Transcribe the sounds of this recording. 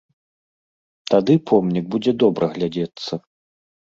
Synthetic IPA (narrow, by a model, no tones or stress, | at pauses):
t̪ad̪ɨpʰɔmnʲiɡ̚bud͡zʲɛd̪ɔbɾɐɣlʲad͡zʲɛt̪sːɐ